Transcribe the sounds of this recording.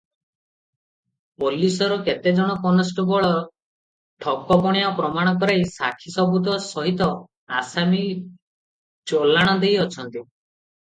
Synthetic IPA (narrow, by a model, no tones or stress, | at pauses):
polisɔɾɔket̪ed͡ʒɔɽ̃ɔkɔnɔsʈɔbɔɭɔɾ | ʈʰɔkɔpɔɽ̃japɾɔmaɽ̃ɔkɔɾajsa̰kʰisɔbut̪̬ɔsɔɦit̪ɔ | asami | t͡ʃolaɽ̃ɔd̪ejɔt͡ʃʰɔnt̪i